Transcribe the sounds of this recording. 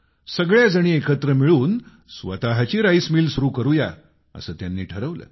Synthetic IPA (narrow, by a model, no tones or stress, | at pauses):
səɡɭjad͡zəɽ̃iːekət̪ɾəmiɭuːn | sʋət̪aɦat͡ɕiːɾaismiːlsuɾuːkəɾuja | ə̰səːt̪janːiːʈʰəɾəʋlə̰ː